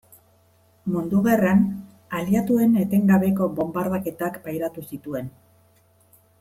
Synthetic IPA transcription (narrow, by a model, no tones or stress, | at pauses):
mund̪uɣaran | aliat̪ue̞ne̞t̪e̞ŋɡaβe̞ko̞βo̞mbaɾðake̞t̪akbajɾat̪usit̪ue̞n